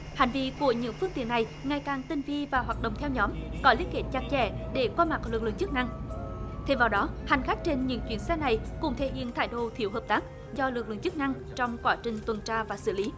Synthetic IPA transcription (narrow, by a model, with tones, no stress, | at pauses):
ha˨˩ŋ̟vḭ˧˨ku˧˩əɲɨ̰˧˥ŋfɨ˧˥əŋ̚t̪ḭ˧˨ənːa˨˩jŋa˨˩jkaː˨˩ŋt̪i˧ŋvi˧vaː˨˩ɦwaː˨˩t̚ɗə̰˧˨ŋ͡mt̪ʰɛ˧wɲɔ˨˦mkɔ˨˦li˨˦ən̚ke˧˩t̚t͡ɕa˨˩k̚t͡ɕɛ̰˧˩ɗe˧˩kwaː˧ma˨˩k̚lɨ˨˩k̚lɨ̰˧˨ŋt͡ɕɨ˦˥k̚na˧ŋt̪ʰe˧mvaː˨˩wɗɔ˨˦ha˨˩jŋ̟xaː˦˥k̚t͡ɕe˧nɲɨ̰˧˥ŋt͡ɕwi˧˩ənsɛ˧˥na˨˩jkʊ̰˧˥ŋ͡mt̪ʰe˧˩hḭ˧˨ənt̪ʰa̰ː˧˩jɗo˧˩t̪ʰḭ˧˩əwɦəː˨˩p̚t̪aː˦˥k̚ | zɔ˧lɨ˨˩k̚lɨ̰˧˨ŋt͡ɕɨ˦˥k̚na˧ŋ | t͡ɕɔ˧wŋ͡mkwaː˧˩t͡ɕï˨˩ŋ̟t̪wə˨˩nt͡ɕaː˧vaː˨˩sɨ̰˧˩li˨˦